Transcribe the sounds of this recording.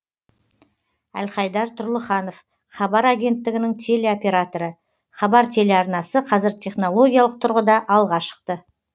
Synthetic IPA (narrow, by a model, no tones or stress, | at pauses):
æ̰lχɑjd̪ɑɾt̪ʰʊɾlˠəχɑno̞f | χɑbɑɾaɡʲe̞nt̪ːɪɡʲɪnɪŋt̪ʲʰe̞leopʲe̞ɾat̪o̞ɾə | χɑbɑɾt̪ʲʰe̞le̞ɑɾnɑsəqʰɑzɪɾt̪ʲʰe̞χno̞lˠo̞ɡʲijalˠəq̚t̪ʰʊɾʁəd̪ɑʔɑlˠʁɑʃə̥q̚t̪ə